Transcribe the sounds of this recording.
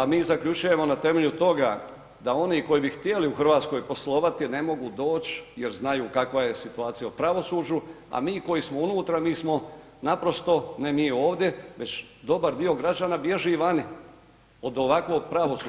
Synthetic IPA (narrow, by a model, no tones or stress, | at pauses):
amiːzakʎʲut͡ʃuje̞mo̞nat̪e̞me̞ʎut̪o̞ɡa̰ | d̪ao̞niko̞jibixt̪je̞liuxr̩ʋaːt̪sko̞jpo̞slˠo̞ʋat̪ine̞mo̞ɡud̪o̞ːt͡ɕje̞ɾznajuːkakʋaje̞sit̪uaːt̪sijaupɾaʋo̞suːd͡ʑu | a̰miːko̞jismounuːt̪ɾamiːsmo̞ | napɾo̞st̪o̞ne̞miːo̞ːʋd̪je̞ʋe̞t͡ɕ | d̪o̞baɾd̪io̞ɡɾad͡ʒaːnabje̞ʒuiʋani | o̞d̪o̞ʋakʋo̞ɡ̚pɾaʋo̞suː